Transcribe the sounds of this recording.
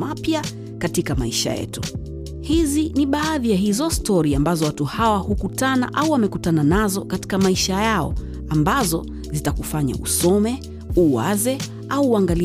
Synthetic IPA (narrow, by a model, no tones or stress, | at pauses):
mapja | katikamaiʃa̰jɛ̰tu̥ | hiziniɓaːðijaɦizɔstɔɾiambazɔwatuhawahukutana̰ʔauwamɛkutananazɔkati̥kamaiʃajaɔ̰ | ambazɔ | zitakufaɲa̰ʔusɔmɛ | uwa̰zɛ | auːaŋɡali